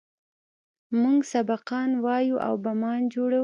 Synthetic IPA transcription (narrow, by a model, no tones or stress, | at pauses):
muŋɡsabaqɑnwɑjuʔa̰wbamɑnd͡ʒoɽaw